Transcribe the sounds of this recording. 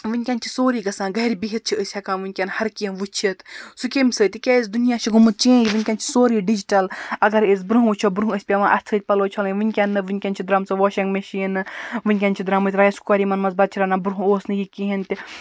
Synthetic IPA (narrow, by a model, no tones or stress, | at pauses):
ʋɨnʲkʲanʲt͡ʃʰi̥soːɾiːɡɐsãːɡɐɾʲibiɦit̪̚t͡ʃʰiəsʲhɐkãːnʋɨnʲkʲanhɐɾkʲenʋut͡ʃʰit̪sukʲemʲsəːt̪ʲikʲeːis̬d̪unijaːʃʰiɡumɨt̪̚t͡ʃẽːjiʋɨnʲkʲaːnt͡ʃʰi̥soːɾiːɖid͡ʒiʈɐlɐɡɐɾes̬bɾuɦũʋut͡ʃʰobɾuɦuəsʲpʲaʋãːʔɐst͡sʰəːt̪̚ʲpɐloːt͡ʃʰoːlʋɨnʲkʲanːɨʋɨnʲkʲaːnt͡ʃʰid̪ɾamt͡sɨʋoːʃɐŋɡmeʃinɨʋɨnʲkʲanʲt͡ʃʰid̪ɾamɨːt̪ʲɾaːɐskoːɾiːmɐnmɐzbɐd̪̚t͡ʃʰiɾanaːbɾuɦũoːsnɨjikʲiɦint̪ʲi